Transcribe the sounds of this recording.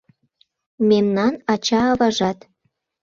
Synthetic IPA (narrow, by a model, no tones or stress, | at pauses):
memnɑnɑt͡ɕɑɤβɑʒɑt̪